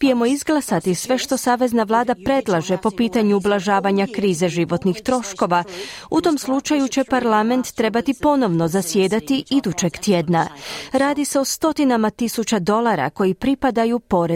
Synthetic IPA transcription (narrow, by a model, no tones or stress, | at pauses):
pije̞mo̞izɡlˠasat̪isʋe̞ʃt̪o̞saːʋe̞znaʋlˠaːd̪apɾe̞d̪lˠaʒe̞po̞piːt̪aɲuːblˠaʒaːʋaɲakɾiːze̞ʒiʋo̞t̪nixt̪ɾo̞ʃko̞ʋaut̪o̞mslˠut͡ʃajut͡ɕe̞paɾlˠame̞nt̪ːɾe̞bat̪ipo̞no̞ʋno̞zasjeːd̪at̪iid̪ut͡ɕe̞ɡt̪jed̪naɾaːd̪ise̞o̞st̪o̞t̪inamat̪isut͡ɕad̪o̞lˠaɾa̰ko̞jipɾipad̪ajupo̞ɾe